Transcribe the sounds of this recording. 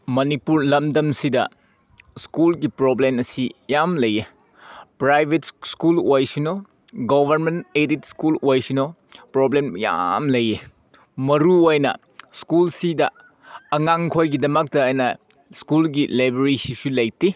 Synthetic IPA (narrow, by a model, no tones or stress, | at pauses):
mɐnipuɾlɐmdɐmsidɐ̰ | skulɡipɾoblemɐsijamlɐje | pɾajbʱetskulojsuno | ɡobʱɐɾmenteditskulojsino | pɾoblemja̰mlɐje | mɐɾuojnɐ̰ | skulsidɐ̰ | ɐŋaŋkʰojɡidɐmɐk̚tɐːjnɐ | skulɡilajbɐɾisisulɐjti